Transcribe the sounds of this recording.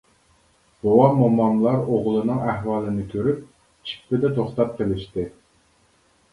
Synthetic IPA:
b̥owɑmomːɑmlˠɑɾoʁlˠɨnɨŋæhwɑːlˠɨnɪkʲʰøɾyp̚ | t͡ʃʰi̥k̚ʲpɪd̪ɛt̪ʰoχt̪ɑp̚qʰəlɪʃt̪ɪ

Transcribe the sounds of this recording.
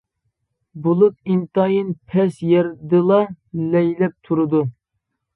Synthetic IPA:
bulˠut̪̚int̪ɑjinpʰɛsjɛɾd̪ɨlˠɑ | lɛjlɛp̚t̪ʰuɾɨd̪u

